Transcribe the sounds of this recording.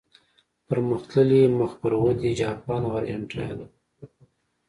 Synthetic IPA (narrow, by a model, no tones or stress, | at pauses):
pəɾməxt̪ləliməxpəɾwəd̪id͡ʒɑpɑnwaɾaɳʈa̰j̰la